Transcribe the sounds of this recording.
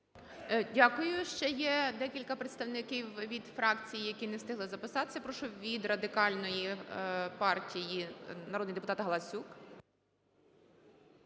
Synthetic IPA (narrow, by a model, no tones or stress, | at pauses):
dʲakʊjʊʃt͡ʃɛjɛd̪ɛkʲilʲkɐpɾet̪st̪ɐwnɪkɪwʋʲid̪fɾɑkt͡sʲijijɐkʲinɛst̪ɪɦlˠɪzɐpɪsɑt̪e̥sʲɐpɾɔʃɔʋʲid̪rɐd̪ɪkɑlʲnɔji | pɑrtʲijinɐɾɔd̪nɪjd̪pʊt̪ɑt̪ɦɐlˠɐsʲuk